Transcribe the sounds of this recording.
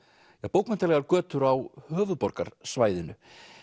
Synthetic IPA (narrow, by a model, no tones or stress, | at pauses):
aɣpoːwkmɛnt̪alɛɣaɾkœːt̪ʏɾawhœːvʏðpɔɾka̰ɾ̥svaːjðɪnʏ